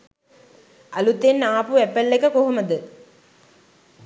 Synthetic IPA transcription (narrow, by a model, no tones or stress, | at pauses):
ɐlut̪ːenːaːpuɛpːɐlːekːɐkoɦumɐd̪ɨ